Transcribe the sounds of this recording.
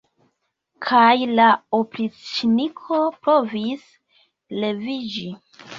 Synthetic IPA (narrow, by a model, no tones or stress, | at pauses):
kʰajlaopɾit͡sinikʰo̞pɾo̞vis | le̞vid͡ʒi